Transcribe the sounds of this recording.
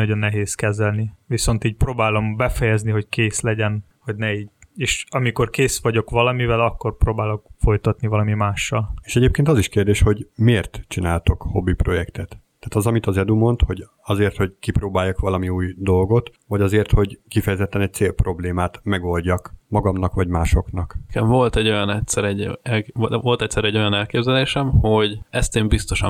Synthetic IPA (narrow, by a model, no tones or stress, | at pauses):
ɒɟo̞nːɛɦeːskɛzɛlniʋiso̞nt̪iːɟ̚proːbaːlo̞mbɛfɛjɛzniɦo̞ckeːslɛɟɛn | ho̞ɟnɛiːɟeːʃɒmiko̞rkeːsʋɒɟo̞kʋɒlɒmivɛlɒkːo̞rproːbaːlo̞kfo̞jt̪ɒt̪nivɒlɒmimaːʃːɒleːʃɛɟeːp̚keːnt̪ɒziʃkeːrd̪eːʃho̞ɟmeːrt̪t͡ʃinaːlt̪o̞kho̞bːipro̞jɛkt̪ɛt̪ː | aːt̪ɒzɒmit̪ɒzɛd̪umo̞nt̪ho̞ɟ | ɒzeːrt̪ho̞ɟkiproːbaːjːɒkʋɒlɒmiuːjd̪o̞lɡo̞t̪ | vɒɟɒzeːrt̪ho̞ɟkifɛjɛzɛt̪ːɛnɛc̚t̪seːlprʔo̞bleːmaːt̪mɛɡo̞lɟɒkmɒɡɒmnɒkʋɒɟmaːʃo̞knɒkkɛɱvo̞lt̪ɛɟːo̞jɒnɛtsɛɾɛɟɛlo̞lt̪ɛc̪sɛɾɛɟːo̞jɒnɛlkeːbzɛleːʃɛmho̞ɟɛst̪eːmbist̪o̞ʃɒ